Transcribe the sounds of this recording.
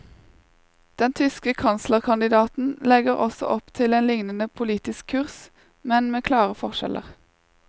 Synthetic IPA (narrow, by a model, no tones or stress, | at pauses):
d̪̥ɛnt̪ʰʏskəkʰɑnsləʁkʰɑnd̪ɪd̪ɑːt̪n̩lɛɡəʁɔsɔ̰ʔɔpt̪ʰɪleːnlɪŋnənəpʰʊliːt̪ɪskʰːʉʁs | mɛnmeːkʰlɑːʁəfɔʁʃɛ̰lʔə̰ʁ